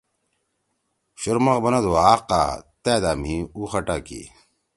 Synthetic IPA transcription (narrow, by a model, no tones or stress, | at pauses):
ɕuɾmɐqbɐnɐd̪oaːqa̰ːt̪ɛːd̪aːm̤iuxɐʈaːkḭ